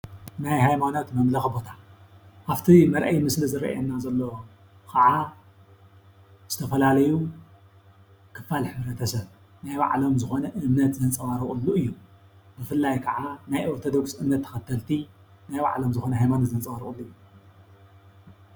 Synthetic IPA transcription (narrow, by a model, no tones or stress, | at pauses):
najhajmano̞t̪mɐmlɐxbo̞t̪ʰahaft̪ʰimɐɾʔɐjmɨslizɨɾɐ̰ʔɐ̰nːazɐlːo̞ | kʰɐʕa | z̥ɨt̪ʰɐfɐlalɐju | kʰɨfːalħɨβɾɐt̪ʰɐsɐβ | najβa̰ʕlo̞mzɨxo̞nɐʔɨmnɐt̪zɐnt͡sʼɐwaɾɨχʼɨlːuɨjːu | bɨfɨlːajkʰɐʕanajʔoɾt̪ʰo̞d̪oksʔɨmnɐt̪ʰːɐ̥xɐt̪ʰːɐlt̪ʰi | najba̰ʕlo̞mzɨxo̞nɐhajmanot̪zɐnt͡sʼɐwaɾɨχʼulːujːu